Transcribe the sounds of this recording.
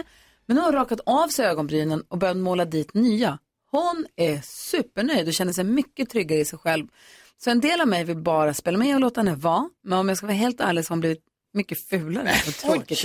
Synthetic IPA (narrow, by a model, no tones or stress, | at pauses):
mɛnhʊnhaɾɑːkat̪ɑːvsɛøːɡɔnbɾyːnənɔbœɾjat̪moːlad̪iːt̪nyːa | hʊnæsʉ̟ːpːəɳœjd̪ɔɕɛnːəʂ̬ɛjmʏkːət̪ʰɾʏɡːaɾəɪsɛjɧɛlv | sɔɛnd̪eːlavmɛjvɪlbɑːɾaspeːlːamɛɔloːt̪ahɛnːəvɑːmɛnɔmjɑaɡskavɑːɦeːlt̪a̰ɾlɛɡsɔhaʊnbliːvɪt̪̚ | mʏkːəfʉ̟ːlaɾəɔt̪ʰɔkə